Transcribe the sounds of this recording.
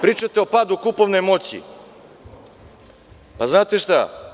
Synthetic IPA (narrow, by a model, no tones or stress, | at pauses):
pɾiːt͡ʃat̪eo̞pad̪ukupo̞ʋnemo̞t͡ɕḭ | paznaːt̪eʃt̪a̰